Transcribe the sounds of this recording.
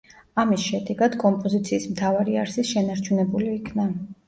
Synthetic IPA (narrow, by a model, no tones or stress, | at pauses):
amisʃɛd̪ɛɡad̪̥kʼɔmpʼɔzit̪sʰiːsmt̪ʰavaɾia̰ɾsisʃɛnaɾt͡ʃʰunɛbuliːkʰna